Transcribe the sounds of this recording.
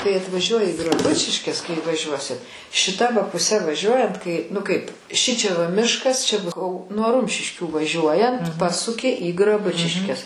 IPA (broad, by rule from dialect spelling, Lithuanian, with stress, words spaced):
kɐɪ ɐtʋɐˈʒʲuɔjɪ ɪ ɡrɐˈbʊt͡ʃʲɪʃʲkʲɛs kɐɪ ʋɐˈʒʲuɔsʲɪt ʃʲɪˈtɐ ʋɐ pʊˈsʲɛ ʋɐˈʒʲuɔjɛnt kɐɪ nʊ ˈkɐɪp ˈʃʲɪt͡ʃʲɛ ʋɐ ˈmʲɪʃkɐs ˈt͡ʃʲɛ ˈbʊs nuɔ ˈrʊmʲʃʲɪʃʲkʲuː ʋɐˈʒʲuɔjɛnt ˈpɑːsʊkʲɪ iː ɡrɐˈbʊt͡ʃʲɪʃʲkʲɛs